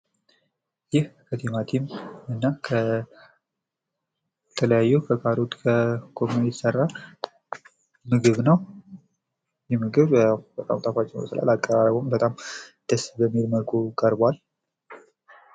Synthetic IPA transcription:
jɪhkʰət̪ʰimat̪ʰimɨnːakʰə | t̪ʰələjajːɛkʰəkʰaɾot̪kʰəkʰomnjt̪sərːa | mɨɡɨβnəw | jɛmɨɡɨβb̥ət̪ʼa̰mt̪ʼafat͡ʃʼːɪnm̰sə̰la̰lakʼːəɾaɾəbombət̪ʼamd̪̥əsbəmːiɾməkʰukʼəɾbal

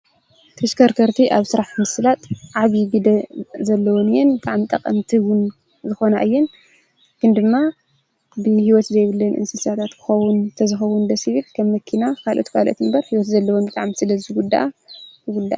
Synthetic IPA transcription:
t̪ʰɐʃkʰɐɾk̪ʰɐɾt̪ʰiʔaβsɨɾaħmɨslat̪ʼʕaβiɡɨd̪ɐzɐlːɐwonɨjɛnbɨt̪ʼaʕmit̪ʼɐqʼɐmt̪ʰiwʊn | zɨxo̞na̰ʔɨjːɛn | kʰɨnd̪ɨmːa | bɨhiwɔt̪zɐjβɨlːɨnʔɨ̰nsɨsat̪ʰat̪kʰɨ̥xɐwunt̪ʰɐzɨxɐwund̪ɐsɨβɨlkʰɐmːɐkʰːinakʰalʔo̰t̪kʰalʔo̰t̪ɨmbɐɾhiwɔt̪zɐlːɐwonbɨt̪ʼa̰ʕmsɨlɐziɡud̪ːa̰ʔajɨɡud̪ːa̰ʔ

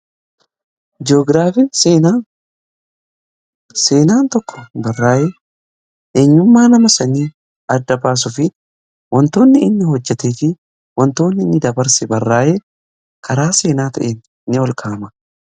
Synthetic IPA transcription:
d͡ʒɪoːɡɾaːfɪ | seːnaːnt̪ɔkːɔ̥bɐrːaːje | ʔeːɲːʊmːaːnɐmɐsɐniː | ɐd̪ːɐbaːs̬ʊfɪ | wɔnt̪o̞ːnːɪɪnːɪhɔd͡ʒːɛt̪eːt̪ɪ | wɔnt̪o̞ːnːɪɪnːɪd̪ɐbɐɾsɛbɐrːaːje | kʰɐɾaːse̞ːnaːt̪ɐʔeːn | nːɪɔlkʰaːmɐ

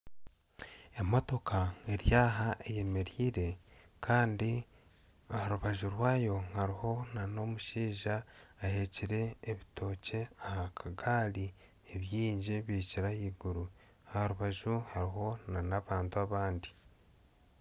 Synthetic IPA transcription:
emoto̞kae̞ɾjaːɦaʔeje̞me̞ɾiːɾe̞ | kʰaːndi | ohaɾuβaʒuɾwaːjo̞ŋhaɾiho̞nano̞muʃiːʒaːhe̞ciɾe̞ːβito̞ːce̞ahakʰaɡaːli | eβjiːɲɟiβiːciɾahiːɡuɾu | ahaɾuβaʒuhaɾiɦo̞nnanaβaːntuaβaːndi

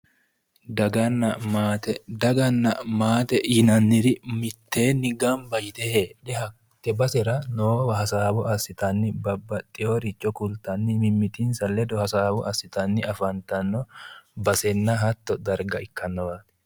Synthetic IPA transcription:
dɐɡɐnːɐmat̪ɛd̪ɐɡɐnːɐmaːt̪ɛjɪnɐnːɪɾɪmɪt̪ʰːeːnːɪɡɐmbɐjɪt̪eheᶑɛhɐ | t̪ːɛbɐsɛɾɐnoːwɐɦɐsaːbɔɐsɪt̪ɐnːɪbɐbːɐt̪ʼːɪjoːɾɪt͡ʃːɔkʊlt̪ɐnːɪmɪmːɪt̪insɐlːɛd̪ɔhɐsaːbɔɐsːɪt̪ɐnːɪɐfɐnt̪ɐnːɔbɐsɛnːɐɦɐt̪ːɔd̪ɐɾɡɐɪkːɐnːɐwaːt̪ɛ̥

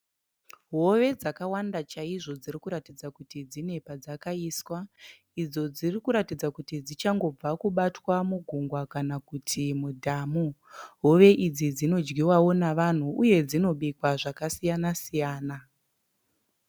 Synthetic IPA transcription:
ɦo̞ʋe̞d͡zakawandat͡ʃaiʐo̞d͡ziɾikuɾatid͡zakutid͡zine̞pad͡zakaiswa | id͡zo̞d͡zirikuɾatid͡zakutid͡zit͡ʃaŋɡo̞b͡vakuɓatwamuɡʱuŋɡwakanakutʰimudʱamuɦo̞ʋe̞ʔid͡zid͡zino̞d͡ʒɡiwawo̞naʋan̤uʔuje̞d͡zino̞ɓikwaʐakasijanasijaːna

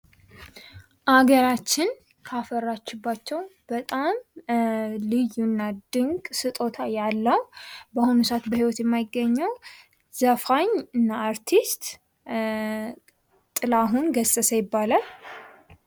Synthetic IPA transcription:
ʔaɡəɾat͡ʃːɪn | kʰafərːat͡ʃːɪbːat͡ʃːɛwb̥ət̪ʼam | lɨjːunːad̪ɨŋɡʼsɨt̪ʼo̞t̪ʰajalːəwbəhunusat̪bəhiwɔt̪jɛmːajɪɡːəɲːəw | z̥əfaɲɨnːaːɾt̪ʰist̪ | t̪ʼɨlaɦunɡəsʼəsəjɪbːalal

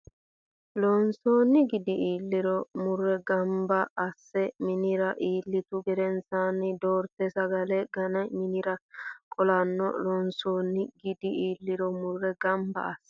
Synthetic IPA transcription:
lonsoːnːɪɡɪd̪ɪʔiːlːɪɾɔmʊrːɛɡɐmbɐːsːɛmɪnɪɾɐʔiːlːɪt̪ʊɡɛɾɛnsanɪd̪oːɾt̪ɛsɐɡɐlɛɡɐnɐjmɪnɪɾɐkʼɔlɐnːɔ̰lɔnsoːnːɪɡɪd̪ɪʔiːlːɪɾɔmʊrːɛɡɐmbɐ̰ɐsːɛ̥

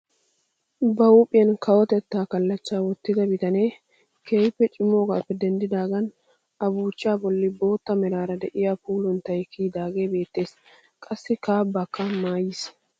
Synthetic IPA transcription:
bɐuːpʼɪjɐnkɐwɔt̪ɛt̪ːaːkɐlːɐt͡ʃːaːwɔt̪ːɪd̪ɐbɪt̪ɐneː | kʰeːjpːɛt͡ʃʼɪmːo̞ːɡaːpːɛd̪ɛnd̪ɪd̪aːɡɐn | ɐbuːt͡ʃːɪaːbɔlːɪbo̞ːt̪ːɐmɛɾaːɾɐd̪ɛʔɪjapuːlɔnt̪ɐjkiːd̪aːɡe̞ːbe̞ːt̪ːe̞ːs | kʼɐsːɪkaːbːɐkːɐmaːjɪs

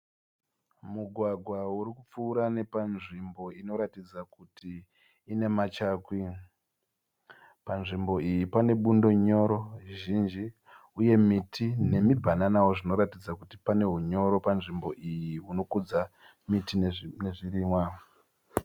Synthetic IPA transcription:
muɡʱwaɡʱwauɾikup͡fuːɾane̞panʐimbo̞ino̞ɾatid͡zakutʰiː | ne̞mat͡ʃaːkwi | panʐimbo̞ijipane̞ɓundo̞ɲo̞ɾo̞ʒiʒind͡ʒi | uje̞mitʰine̞mibʱananawo̞ʐino̞ɾatid͡zakutipane̞ɦuɲo̞ɾo̞panʐimbo̞ʔijiɦuno̞kud͡za | mitineʐiɾiːmwa

